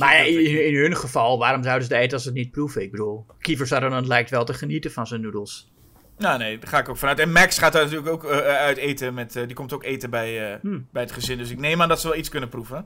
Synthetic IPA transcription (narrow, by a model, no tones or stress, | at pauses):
majaɪnɦønχəfɔlˠʋaːɾɔmzawdəs̬ədəeːtənɔs̬ətnit̚prufəɪɡ̚bədulˠkifəɹsadondɔnlɛjk̚tʋɛlˠtəχənitəfɔnsənːudəlˠs | jaːneːχaːɪkowkfɔnœɥtɛnmɛksχaːt̚danatyːləkowkœɥteːtəmɛtdikomtowkeːtəbɛjəbɛjətχəzɪndøsɪk̚neːmaːndɔtsəʋɛlˠiskɵnəpruvə